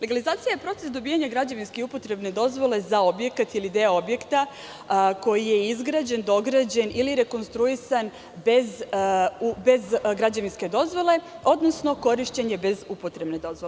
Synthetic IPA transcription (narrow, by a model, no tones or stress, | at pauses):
leɡalizaːt̪sijajepɾo̞t̪e̞sd̪o̞bijaɲaɡɾad͡ʑaʋinskeupo̞t̪ɾe̞bne̞d̪o̞zʋo̞le̞zao̞bje̞kat̪ilid̪eo̞bje̞kt̪a | ko̞jije̞izɡɾaːd͡ʑe̞nd̪o̞ɡɾad͡ʑe̞niliɾe̞ko̞nst̪ɾuisan | bez | be̞zɡɾad͡ʑaʋinske̞d̪o̞zʋo̞leo̞d̪nosno̞ko̞ɾiʃt͡ɕe̞ɲe̞be̞zupo̞t̪ɾe̞bne̞d̪o̞zʋole